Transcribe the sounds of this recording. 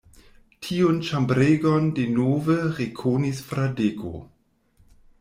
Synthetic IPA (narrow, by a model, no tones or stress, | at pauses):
tʰiont͡ʃambɾeɡondenoːvəʁekʰonisfɾadeɡo̰